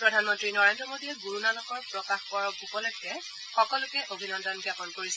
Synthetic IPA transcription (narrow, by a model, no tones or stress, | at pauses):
pɹɔdʱanmɔntɹinɔɹendɹɔmodʱiɛɡuɹunalɔxɔɹpɹɔkaxkɔɹɔkupɔlɔjkːɛ | xɔkɔlʊkɛʔobʱinɔndɔnɡapɔnkoɹisɛ